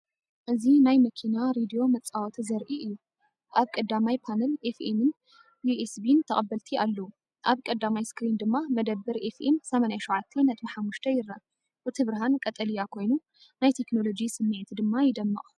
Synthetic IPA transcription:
ʔɨzinajmɐkʰinaɾed̪ijo̞mɐt͡sʼawɔt̪ʰzɐɾʔiʔɨjːu | ʔaβkʼɐd̪ːamajpʰanɐlʔefemɨn | juʔesbint̪ʰɐχʼɐbːɐlt̪ʰialːɐwu | ʔaβkʼɐd̪amajskɾind̪ɨmːamɐd̪ɐbːɨɾʔefʔemsɐmanajaʃɐʕat̪ʰːenɐt̪ʼmħamːuʃt̪ʰɐjɪɾːa | bɨt̪ʰɨβɾɐɦankʼɐt̪ʼɐlijakʰo̞jnu | najt̪ʰe̞kno̞lo̞d͡ʒisɨmːiʕt̪ʰd̪ɨmːajɪd̪ɐmːɨχʼ

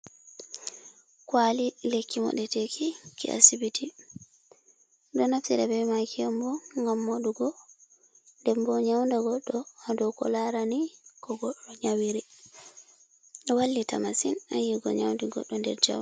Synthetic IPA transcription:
kwalilekʰːimɔ̰ɗɛtekʰikḭʔa̰sibitʰi | dɔnaftiɾabɛmakʰiɛmbɔŋɡamːoɗuɡɔ | ndɛmbɔɲawndaɡɔɗːɔadɔkɔ̰laɾanikɔɡɔɗɔɲawiɾɛ | ɗɛwalːita̰masinajiɡɔ̰ɲawndiɡɔ̰ɗːɔndɛ̰ɾd͡ʒa̰wa

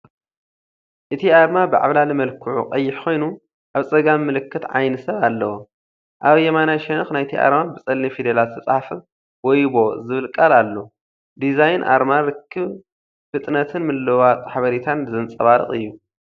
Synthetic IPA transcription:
ʔɨt̪ʰiaɾmabɨʕa̰βlalimɐlkʰɨʕṵqʼɐjːɪħkʰo̞jnu | ʔaβsʼɐɡamːɨlɨkːɨt̪ʕajnɐsɐβalːɐwo | ʔaβjɛmanaʃɐnɐxnajt̪ʰiʔa̰ɾmabɨsʼɐlːifid̪elat̪ʰɐt͡sʼħafɨ | wɔjbo̞zɨβɨlkʼalalːo̞ | d̪izajnʔa̰ɾmaɾɨkʰːɨβ | fɨt̪ʼnɐt̪ʰɨnmɨlːɐwat̪ʼħaβɐɾit̪ʰanzɨnt͡sʼɐβaɾɨ̰χʼɨjːu

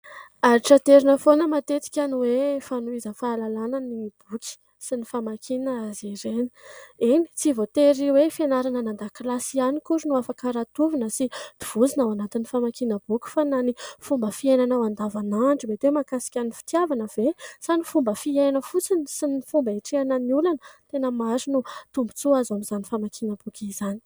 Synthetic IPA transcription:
aɾiʈ͡ʂət̪eɾinəfonəmat̪et͡s̪i̥kʲaniwefanuizəfaːlalanənib̥uki̥ | sinifamakʰinəaziɾeni̥ini̥t͡sivot̪eɾiwefenaɾananand̪aklasianikuɾnuafakaɾat̪uvinəsid̪̥iv̥uzinawanat̪inifamakinəb̥ukʲu̥fananifumbəfiajnanawand̪avanaɳɖ͡ʐibet̪emakasi̥kʲanifi̥t̪iavanəvesanifumbəfiajnəfut͡sinisinifumbəeʈ͡ʂianəniulanət̪enəmaɾinut̪umbut͡suazamizanifamakʰinəb̥ukʲiz̥ani̥

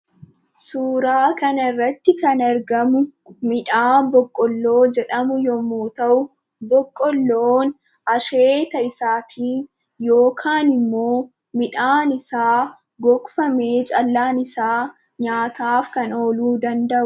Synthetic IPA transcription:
suːɾaːkɐnrːɐt̪ːɪkɐnɐɾɡɐmʊmɪᶑaːbɔkʼːɔlːo̞ːd͡ʒɛᶑɐmʊjɔmoːt̪ɐʔʊ | bɔkʼːɔlːoːn | ɐʃeːt̪ɐɪsaːt̪ʰiːn | jo̞ːkʰaːnɪmːoː | mɪᶑaːnɪsaː | ɡɔkʼʊfɐme̞ːt͡ʃʼɐlːaːnɪsaː | ɲaːt̪aːfkɐno̞ːluːd̪ɐnd̪ɐʔʊ

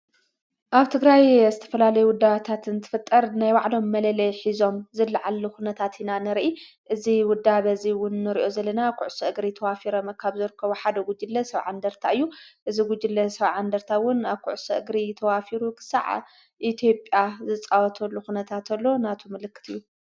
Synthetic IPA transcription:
ʔaβt̪ʰɨɡɾajzɨt̪ʰɐ̥fɐlalɐjuwʊd̪aβt̪ʰat̪ʰɨnt̪ʰɨ̥fɨt̪ʼːɐɾnajwaʕlo̞mːɐlɐlɐjħizo̞mzɨlːaʕalːuxunɐt̪ʰat̪ʰinanɨɾʔi | ʔɨziwʊd̪ːaβɐziwʊnːɨɾiʔo̞zɐlːɐnakʰuʕʊsɐʔɨɡɾit̪ʰɐwafiɾomɐkʰaβzɨɾɨkʰːɐβuħad̪ɐɡud͡ʒɨlːɐsɐβʕa̰nd̪ɐɾt̪ʰaɨjːuʔɨziɡud͡ʒɪlːɐsɐβʕand̪ɐɾt̪ʰawʊnaβkʰuʕʊsɐʔɨɡɾit̪ʰɐwafiɾukʰɨ̥sa̰ʕ̰ | ʔit̪ʰjo̞pʼjazɨt͡sʼawɔt̪ʰɐlːuxunɐt̪ʰat̪ʰɐlːo̞nat̪ʰomɨlɨkːɨ̥t̪ʰɨjːu

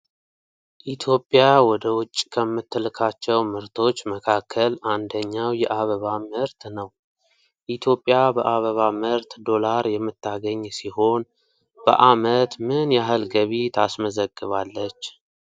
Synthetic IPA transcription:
ʔit̪ʰjo̞pʼːɪjawɔd̪əwʊt͡ʃʼːkʰəmːɨt̪ʰːɨlɨkʰat͡ʃːɛwmɨɾt̪ʰo̞t͡ʃːməkʰakʰːəland̪əɲːawjɛʔaβəβamɨɾt̪nəw | ʔit̪ʰjo̞pʼːjabəʔaβəβamɨɾt̪d̪o̞laɾjɛmːɨt̪ʰːaɡəɲːsiɦo̞n | bə̰ʔamət̪mɨnjaɦɨlɡəβit̪ʰasməzəɡːɨβalːət͡ʃː

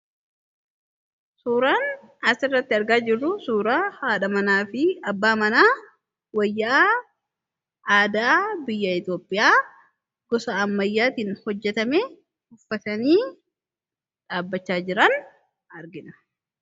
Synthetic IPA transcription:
suːɾaːn | ɐsɪrːɐt̪ːɪɐɾɡaːd͡ʒɪrːʊsuːɾaːhaːᶑɐmɐnaːfɪɐbːaːmɐnaː | wɐjːa | aːd̪aːbɪjːɐɪt̪joːpʼːɪjaː | ɡ̥ɔsɐɐmːɐjːaːt̪iːnhɔd͡ʒːɛt̪ɐme | hʊfːɐt̪ɐniː | ᶑaːbːɐt͡ʃːaːd͡ʒɪɾɐn | ɐɾɡɪnɐ̥

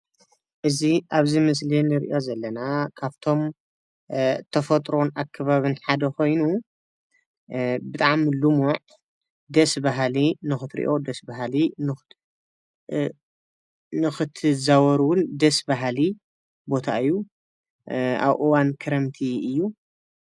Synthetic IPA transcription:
ʔɨziʔaβzimɨs̬linɨɾiʔo̞zɐlːɐnakʰaβt̪ʰo̞m | t̪ʰɐfɐt̪ʼɾo̞nakʰːɐβaβɨnħad̪ɐkʰo̞jnu | bɨt̪ʼaʕmilumoʕ | d̪ɐsbaɦlinɨxɨt̪ɾḭʔo̞d̪ɐsbaɦlin | nɨxɨt̪ʰɨzawɔɾuwʊnd̪ɐsbaɦli | bo̞t̪ʰaɨjːu | a̰βʔɨwankʰɨɾɐmt̪ʰiɨjːu

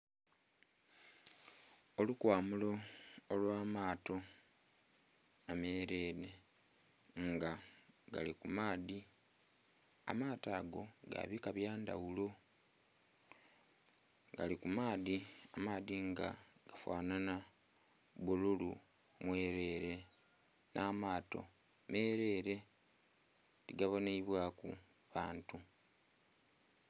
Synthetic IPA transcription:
olukwaːmulo̞ːlwaːmaːto̞ | ameːɾe̞ːɾe̞ | ŋɡaɡa̰likumaːði | a̰maːtaːɡo̞̰ɡa̰βikaβjaːnda̰wulo̞ | ɡalikumaːðiamaːðiŋɡa̰ɡ̥afwa̰ːnana | bululu | mwe̞ːɾe̞ːɾe̞ | nʔaːmaːto̞̰ | me̞ːɾe̞ɾe̞ | tiɡaβo̞neiβwakṵ | βaːntu

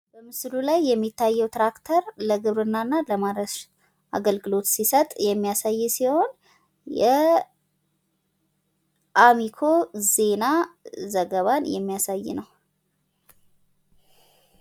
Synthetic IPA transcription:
b̥əmɨslulajːɛmːit̪ʰːajːɛwt̪ɾakt̪ʰəɾləɡɨβɾɨnːanːaləmaɾəʃ | ʔa̰ɡəlɡɨlo̞t̪sisət̪ʼjɛmːijasajːɛsiho̞n | jɛ | ʔamikʰo̞ze̞nazəɡəβanjɛmːijasajːnəw

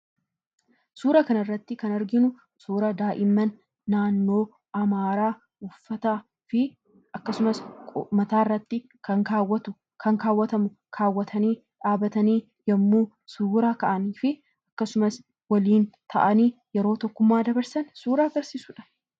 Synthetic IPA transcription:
suːɾɐkɐnɐrːɐt̪ːɪkɐnɐɾɡɪnʊ | suːɾɐd̪aːʔɪmːɐnː | aːnːoː | ɐmaːɾaː | ʊfːɐt̪a | fɪ | ɐkːɐsʊmɐskʼmɐt̪aːɪrːɐt̪ːɪ | kɐŋkaːwːɐt̪ʊ | kʰɐŋkaːwːɐt̪ɐmʊ | kʰaːwːɐt̪ʰɐniː | ᶑaːbɐt̪ɐniː | jɐmːuː | suːɾaːkɐʔɐniːfɪ | ɐkːɐsʊmɐs | wɐliːnt̪ʰɐ̰ʔɐniːjɛɾo̞ːt̪ɔkːʊmːaːd̪ɐbɐɾsɐnsuːɾaːɡɐɾsiːsʊᶑɐ̥

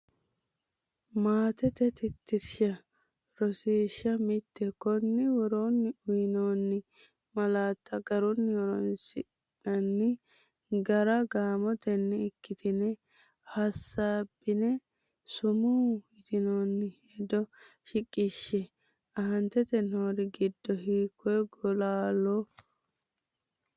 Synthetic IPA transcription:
maːt̪ɛt̪ɛt̪ɪt̪ːɪɾʃɐ | ɾɔsiːʃːɐmɪt̪ːɛkɔnːɪwɔɾoːnːɪʊjɪnoːnːɪ | mɐlaːt̪ːɐɡɐɾɔnːɪwɔɾɔnsɪ | nɐnːɪ | ɡɐɾɐɡaːmɔt̪ɛnːɛɪkːɪt̪ɪnɛ | hɐsːaːbːɪnɛ | sʊmuːɪt̪ɪnoːnːɪhɛd̪ɔ | ʃɪkʼːɪʃːɛ | ɐɦɐnt̪ɛt̪ɛnoːɾɪɡɪd̪ːɔɦiːkʰːɔɡɔlaːlɔ

